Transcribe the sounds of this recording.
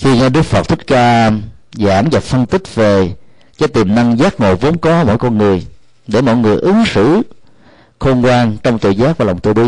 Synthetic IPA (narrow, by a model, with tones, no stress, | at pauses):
xi˧ɲa˧ɗɨ˦˥ək̚fə˨˩t̚t̪ʰi˦˥t̚kaː˧a˧mza̰ː˧˩mza˨˩pfə˧nt̪ï˦˥k̚ve˨˩ | t͡ɕɛ̰˧˥t̪i˨˩mna˧ŋzaː˦˥k̚ŋo̰˨˩vo̰˨˦ŋ͡mkɔ˨˦mɔ̰˧˨jkɔ˧nŋɨ˨˩əj | ɗe˧˩mɔ̰˧˨jŋɨ˨˩əjʔɨ˨˦ŋsɨ̰˧˥ | xo˧nkwaː˧nt͡ɕɔ˧wŋ͡mt̪ḭ˨˩zaː˦˥k̚vaː˨˩lwŋ͡mt̪ɨ˧˩ɓi˧